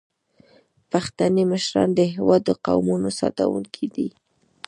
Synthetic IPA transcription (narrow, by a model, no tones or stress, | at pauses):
paxt̪aneməʃɾɑ̰nd̪əɦewɑd̪ːəqa̰wmunosɑ̰t̪awuŋkʰid̪i